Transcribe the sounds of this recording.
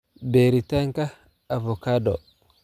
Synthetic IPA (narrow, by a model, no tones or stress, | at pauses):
beɾitaŋka | avɔkadɔ